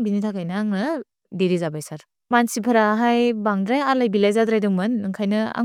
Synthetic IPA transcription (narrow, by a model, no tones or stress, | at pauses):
ŋbinitʰakajnɯaŋnɯ | deɾizabajsaɾ | mansipʰɯɾaɦajbaŋdɾajalajbilajzadɾajdɯŋmɯnːɯŋkʰajnɯa̰